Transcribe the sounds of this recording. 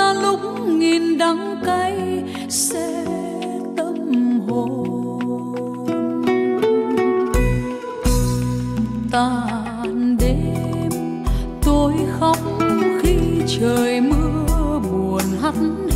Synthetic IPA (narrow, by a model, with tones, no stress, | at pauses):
a˧lʊ˧˥k͡p̚ŋi˨˩nɗa˨˦ŋka˧˦j | sɛ̰˧˥ | t̪ə˧mmɦo˨˩ | n | t̪a˧˩ | nɗe˧˨˦ | m | t̪o˧jxə˧˦wŋ͡mxi˧t͡ɕəː˨˩jmɨ˧əəɓu˨˩ənɦa˧˦t̚